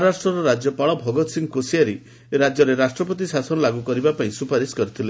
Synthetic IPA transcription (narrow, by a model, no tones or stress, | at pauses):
ɾasʈɾɔɾɔɾad͡ʒjɔpaɭɔbʱɔɡɔt̪siŋkosijaɾi | eɾad͡ʒjɔɾeɾasʈɾɔp̬ɔt̪isasɔnɔlaɡukɔɾibapaĩsupaɾiskɔɾit̪ʰile